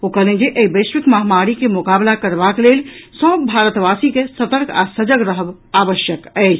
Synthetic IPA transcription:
okəlẽd͡ʒeʔeibəsʋikməɦmaɾikemukablakəɾbakelelsəbbʱaɾət̪basikesət̪əɾkʰa̰səd͡ʒəɡɾəɦəb | abəʃjəkəɪt͡ʃʰ

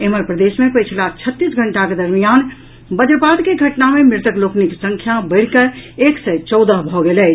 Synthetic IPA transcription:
eɦməɾpɾəd̪esmepəɪt͡ʃʰlat͡ʃʰət̪ːisɡʱəɳʈaked̪əɾmijan | bəd͡ʒəɾpad̪keɡʱəʈnamemɪɾt̪əklokniksə̃ŋkʰjabəɪɽ̤kəɾeksəjt͡ʃɔʊd̪əɦbʱɔɡelɛːt͡ʃʰ

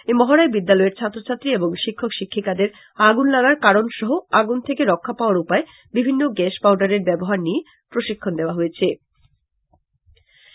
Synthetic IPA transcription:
emɔɦaɾaebid̪ːalɔeɾt͡ɕʰat̪ːɾot͡ɕʰat̪ːɾieboŋʃikʰːokʃikʰːikad̪eɾ | aɡunlaɡaɾkaɾonʃɔɦoaɡunt̪ʰekeɾɔkʰːapaoaɾupae | bibʱinːoɡɛʃpawɖaɾeɾbɛboɦaɾnie | pɾoʃikʰːond̪eoaɦojet͡ɕʰe

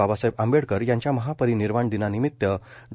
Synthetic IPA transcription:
abasəɦibambeɽkəɾjãɲt͡ɕjaməɦapəɾiniɾmaɳd̪inanimit̪ːjə | ɖ

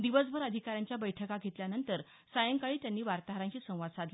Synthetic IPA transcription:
d̪iʋəsbʱəɾəd̪ʱikaɾjaɲt͡ɕjabəjʈʰəkaɡʱet̪ljanənt̪əɾ | sajəŋkaɭiːt̪janːiːʋaɾt̪aɦɾãɲt͡ɕiːsə̃w̃ʋad̪sad̪ʱ

